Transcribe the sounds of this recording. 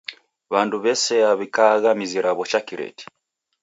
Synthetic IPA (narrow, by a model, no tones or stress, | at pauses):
βanduβɛsɛaβikaɣamiziɾaβɔt͡ʃakiɾɛ̰ti̥